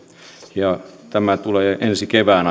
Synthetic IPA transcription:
jɑt̪æmæt̪uleːʔensikeʋæːn

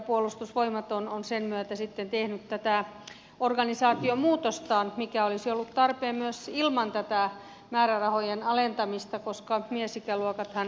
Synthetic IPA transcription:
puolust̪usʋoimɑt̪ononsenmyøt̪æsit̪ːent̪ehnyt̪t̪ːæt̪æ | orɡɑnisɑːt̪iomuːt̪ost̪ɑːnmikæolisiolːut̪t̪ɑrpeːmmyøsilmɑnt̪æt̪æ | mæːrærɑhojenɑlent̪ɑmist̪ɑkoskɑmiesikæluokɑt̪hɑn

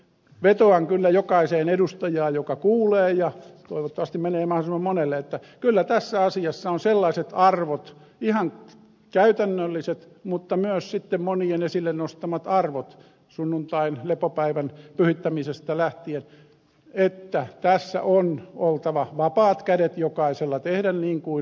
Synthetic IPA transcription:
ʋet̪oɑŋkylːæjokɑiseːnedust̪ɑjɑːjokɑkuːleːjɑt̪oiʋot̪ːɑʋɑst̪imeneːmɑhosimːɑmmonelːeet̪ːækylːæt̪æsːæɑsiɑsːɑonselːɑiset̪ɑrʋot̪ | ihɑŋ | kæyt̪ænːølːiset̪ | mut̪ːɑmyøssit̪ːemmonienesilːennost̪ɑmɑt̪ɑrʋot̪ | sunːunt̪ɑinlepopæiʋænpyhit̪ːæmisest̪ɑlæht̪ien | et̪ːæt̪æsːæ̰ʔonolt̪ɑʋɑʋɑpɑːt̪kædet̪jokɑiselːɑt̪ehdænniːŋkui

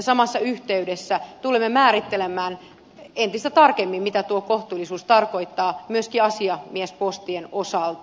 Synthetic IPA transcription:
sɑmɑsːɑyht̪eydesːæt̪ulemːemæːɾit̪ːelemæːn | ent̪ist̪æt̪ɑrkemːimmit̪æt̪uokoht̪uːlːˑisuːst̪ɑrkoit̪ːɑːmyøskiɑsiɑmiespost̪ienosɑlt̪

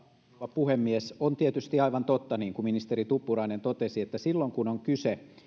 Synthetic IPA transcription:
ɑpuhemːiesont̪iet̪yst̪iɑiʋɑnt̪ot̪ːɑniːŋkuminist̪erit̪upːurɑinent̪ot̪esiet̪ːæsilːoŋkunoŋkyse

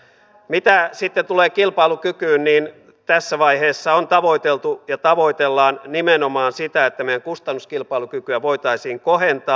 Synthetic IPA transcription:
mit̪æsit̪ːet̪uleːkilpɑilukykyːnniːn | t̪æsːæʋɑiheːsːɑont̪ɑʋo̞it̪elt̪ujɑt̪ɑʋo̞it̪elːɑːnnimenomɑːnsit̪æet̪ːæmejæŋkust̪ɑnːuskilpɑilukykyæʋoit̪ɑisiːŋkohent̪ɑː

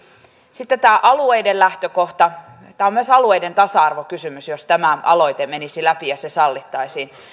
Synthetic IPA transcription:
sit̪ːet̪æːʔɑlueidellæht̪økoht̪ɑ | t̪æːomyøæsɑlueident̪ɑsɑɑrʋokysymysjost̪æmæʔɑ̰loit̪emenisilæpijɑsesɑlːit̪ːɑisiːn

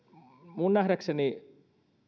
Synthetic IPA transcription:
muːnːaːɦɾɐkʂɐne

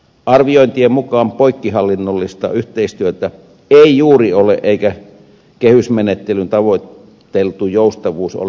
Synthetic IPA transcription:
ɑrʋioˑint̪iemukɑːmpoikːihɑlːinːolːist̪ɑ̰yht̪eist̪yøt̪æ | eˑijuːriolḛʔʔeˑikæ | kehysmenet̪ːelynt̪ɑʋoˑit̪ː | elt̪ujoˑust̪ɑʋuːso̰l

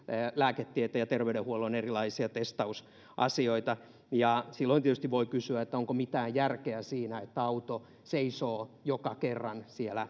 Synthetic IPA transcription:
læːket̪ːiet̪æjɑt̪erʋeydehuolonerilɑisiɑt̪est̪ɑus | ʔɑ̰sioit̪ɑ | jɑsilːoint̪iet̪yst̪iʋʋoikysyæet̪ːæoŋkomit̪æːjjærkeæsiːnæet̪ːæɑut̪o | seisoːjokɑkerːɑnsielæ

